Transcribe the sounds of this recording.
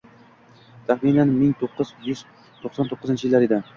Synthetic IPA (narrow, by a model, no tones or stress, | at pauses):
t̪ʰaχminanmɪŋt̪ʰoqʰːɨzjyz | t̪ʰoχsɑnt̪ʰoqːɨzɪnt͡ʃʰɪjɪlːaɾed̪ɪ